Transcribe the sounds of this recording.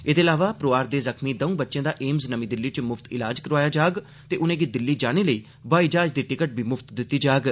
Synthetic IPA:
eːd̪eːlaːʋaːpɾoːaːɾd̪eːzəkmiːd̪əũːbətːʃjẽːd̪aːʔeːmznəmĩːd̪ɪlːiːt͡ʃmʊfʰt̪ɪlaːd͡ʒkəɾʋaːjaːd͡ʒaːɡ | t̪eːʔʊnẽːɡid̪ɪlːiːd͡ʒaːneːləiː | baːiːd͡ʒaːd͡ʒd̪iːʈɪkəʈ̚bʱiːmʊft̪d̪ɪt̪ːiːd͡ʒaːɡ

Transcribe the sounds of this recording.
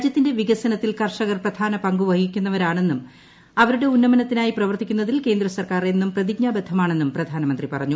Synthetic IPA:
d͡ʑjɐt̪ːinde̞ʋiɡɐsɐnɐt̪ːilkɐrʂɐɣɐrprɐd̪ʱaːnɐpɐŋɡuʋɐhikʲːunːɐʋɐɾaːɳe̞nːum | ɐʋɐɾuɽe̞unːɐmɐnɐt̪ːinaːjiprɐʋɐrt̪ikʲːunːɐðilke̞ːnd̪rɐsɐrkaːre̞nːumprɐðiɡɲaːbed̪ʱːɐmaːɳenːumprɐd̪ʱaːnɐmɐnd̪ripɐrɐɲːu

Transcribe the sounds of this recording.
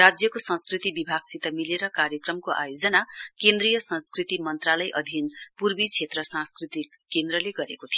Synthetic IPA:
ad͡zjʌkosʌ̃skrit̪ibibʱaɡsit̪ʌmileɾʌkaɾjʌkrʌmkoʔa̰jod͡zʌnakend̪rijʌsʌ̃skrit̪imʌnt̪ralʌjʔʌd̪ʱinpurbit͡sʰet̪rʌsãnskrit̪ikːend̪rʌleɡʌɾekot̪ʰijo

